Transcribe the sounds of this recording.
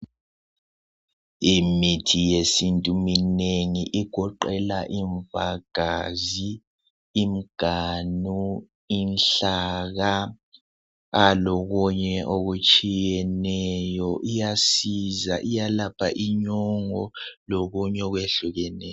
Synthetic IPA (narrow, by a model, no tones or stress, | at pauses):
imitʰijesintʼumineŋiʔiɡ̥ʱɔǃɛlaʔiɱvaɡ̥ʱazi | im̩ɡ̥ʱanu | inɬaɣa | lɔɣuɲɛʔoɣut͡ʃʼijɛnɛjɔʔijasizaʔijalapʰa̰ʔiɲɔŋɔloɣuɲɛɔɣweɬuɣɛnɛ